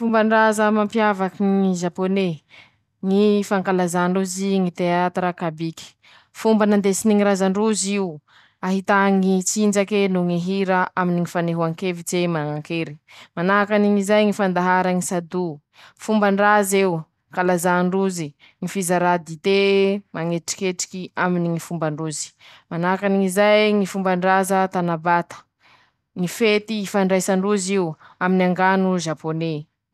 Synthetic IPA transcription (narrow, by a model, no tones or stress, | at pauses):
fumbənrazəmampjavakiŋiʒapone | ŋifaŋkalazaɳɖ͡ʐuziŋit̪eat̪ɾakabiki̥ | fumbanand̪esiniŋiɾazaɳɖ͡ʐuziu | aɦit̪aŋit͡sind͡ʒakenuŋiɦiɾaʔaminiŋifaneɦuaŋkevit͡semaŋaŋkeɾi̥manaɦakaniŋizajŋifand̪aɦaɾaŋisad̪u | fumbaɳɖ͡ʐazew | kalazaɳɖ͡ʐuzi | ŋifizaɾad̪it̪emaŋeʈ͡ʂi̥kʲeʈ͡ʂi̥kiaminiŋifumbaɳɖ͡ʐuzi̥manaakaniŋizajŋifumbaɳɖ͡ʐazət̪anabat̪ə̥ | ŋifet̪iːfaɳɖ͡ʐajsaɳɖ͡ʐuziwaminaŋɡanuʒapone